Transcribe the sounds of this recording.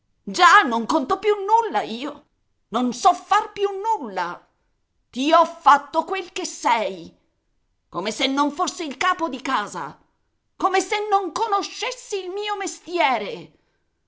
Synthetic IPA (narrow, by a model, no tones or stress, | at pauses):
d͡ʒanːoŋkont̪opjunːulːaiːo | nonsɔfːarpjunːulːa | t̪iɔfːat̪ːokwelkesːɛj | komesenːoɱfosːeilkaːpod̪ikaːza̰ | koːmesenːoŋkonoʃːesːiːlmiːomest̪jɛːɾe